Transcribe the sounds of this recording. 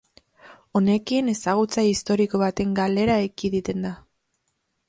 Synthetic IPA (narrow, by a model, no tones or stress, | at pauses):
o̞ne̞kine̞saɣ̞ut͡saist̪o̞ɾiko̞β̞at̪e̞ŋɡale̞ɾaekiðit̪e̞nd̪a